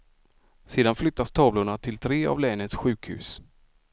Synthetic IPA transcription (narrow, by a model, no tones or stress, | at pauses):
seːd̪anflʏt̪ːast̪ʰɑːvlʊɳat̪ʰɪlt̪ʰɾeːa̰vlɛːnət̪sɧʉ̟ːkhʉ̟̰ːs